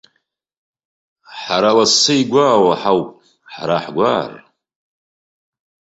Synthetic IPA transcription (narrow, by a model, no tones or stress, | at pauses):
ħaɾawasɨjɡʷaːwaħawpʼ | ħaɾaħɡʷar